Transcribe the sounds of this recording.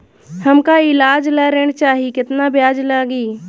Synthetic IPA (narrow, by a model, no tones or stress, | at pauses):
hɐmkaɪlaːd͡ʒlaɾeːɽ̃t͡ʃaːɦikɪt̪nabjaːd͡ʒlaːɡiː